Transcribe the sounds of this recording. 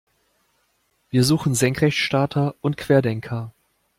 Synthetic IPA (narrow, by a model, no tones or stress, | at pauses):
v̥iːɐzuːxn̩zɛŋkʁ̥ɛçʃtaːtʰɐʔʊntkʰv̥eːɐdɛŋkʰɐ